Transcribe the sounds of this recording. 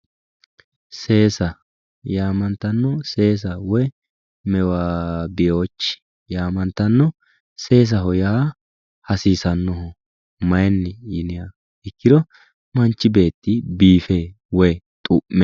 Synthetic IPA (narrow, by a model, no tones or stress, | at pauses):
se̞ːsɐ | jaːmɐnt̪ːɐnːɔse̞ːs̬ɐwɔj | mɛwaːbɪjoːt͡ʃːɪ̥ | jaːmɐnt̪ːɐnːɔ | se̞ːs̬ɐɦɔjaː | hɐsiːsɐnːɔɦɔ | mɐjnːɪjɪnɪja | ɛkːɪd̪ɔ | mɐnt͡ʃːɪbe̞ːt̪ːɪbiːfeː | wɔjt̪ʼʊʔːɛ